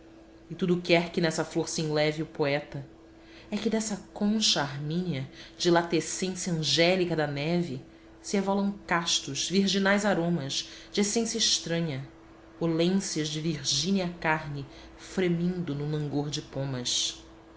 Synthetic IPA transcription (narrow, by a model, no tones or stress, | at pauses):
ɪt̪ud̪ʊkɛɾkɪnɛsɐfloɾsiĩlɛviʊpoɛt̪ɐ | ɛkɪd̪ɛsɐkõʃɐaɾmĩniɐd͡ʒɪlat̪esẽsjɐɐ̃ʒɛlikɐd̪ɐnɛvɪ | sɪevɔlɐ̃w̃kaʃt̪ʊʃviɾʒinajzaɾõmɐʃd͡ʒɪesẽsjɐiʃt̪ɾɐ̃ɲɐ | olẽsiɐzd͡ʒɪviɾʒĩniɐkaɾnɪ | fɾemĩnd̪ʊnʊlɐ̃ŋɡoɾd͡ʒɪpõmɐʃ